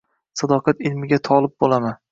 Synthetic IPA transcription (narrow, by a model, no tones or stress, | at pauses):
sɒd̪ɒqʰɑt̪ɪlmɪɡʲat̪ʰɒlˠɪp̚bolˠaman